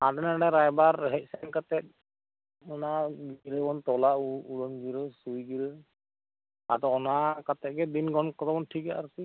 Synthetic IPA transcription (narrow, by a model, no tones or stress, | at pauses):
adɛnaɖaɾajbaɾɦɛʔ̚sɛŋkat̪ɛt̚ | ɔnaɡiɾɯbɔnt̪ɔlauuɽɔnɡiɾɯsujɡiɾɯ | a̰t̪aɔnakat̪ɛɡɛbinɡɔnkɔt̪abɔnʈʰikaʔaɾsi